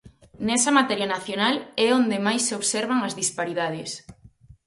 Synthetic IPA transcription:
nɛsɐmat̪ɛɾjanaθjonalɛond̪emajsːeoβseɾβaŋɐzðispaɾiðað̞ɪs

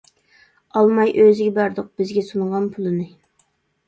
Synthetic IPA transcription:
ɑlˠmɑjʔøzɪɡʲɛbæɾd̪ʊq̚b̥ɪzɡʲɛsuɴʁɑnpʰulˠɨnɨ

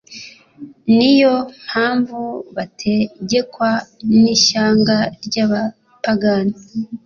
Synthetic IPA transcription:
nijo̞m̥haːɱvuβatʰe̞ɟe̞kwaniʃaːŋɡaɾɟaːβa | paɡani

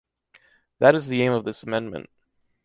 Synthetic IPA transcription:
ðɨɾɨzðiẽɪ̃mʌvðɪsəmɛ̃nmɨ̰̃nt̚

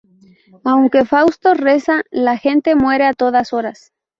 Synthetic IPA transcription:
awŋke̞fawst̪o̞re̞salaxe̞nt̪e̞mwe̞ɾe̞at̪o̞ðaso̞ɾas

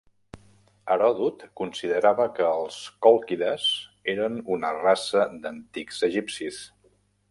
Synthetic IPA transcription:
əɾɔðut̪kunsiðəɾaβəkəːlˠskɔlˠkiðəzeɾənunərasəd̪ənt̪ikzəʒipsis

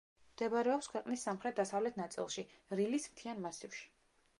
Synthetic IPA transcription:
md̪ɛbaɾɛɔpskʰwɛqʼnisːamχɾɛt̪̚d̪asavlɛt̪ʰnat̪sʼḭlˠʃi | ɾilismt̪ʰianmasifʃi̥

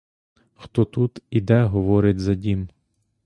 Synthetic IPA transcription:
xt̪ɔt̪ut̪id̪ɛɦɔʋɔɾɪtʲzɐdʲim

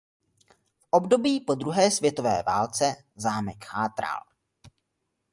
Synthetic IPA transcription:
fʔobdo̞biːpo̞d̪ɾuɦɛːsvjɛt̪o̞vɛ̰ːvaːlt͡sɛ | zaːmɛkxaːt̪ɾa̰l

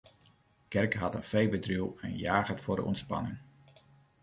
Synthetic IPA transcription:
kɛrkɦɑtənfejbədriwɛ̰njaːχətfʊːɹdə̰ʔɔ̰ntspɑ̰nɪ̰ŋ

